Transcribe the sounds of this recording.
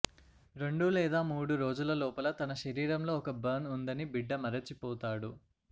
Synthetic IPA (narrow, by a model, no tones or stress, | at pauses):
ɾe̞ɳɖulɛːd̪aːmuːɽuɾo̞ːd͡ʒulɐlɔːpɐlɐt̪ɐnɐʃɐɾiːɾɐmlo̞ːɔkɐbɐnund̪ɐnibiɖːɐmɐɾɐt͡ʃːipɔːt̪aːɽu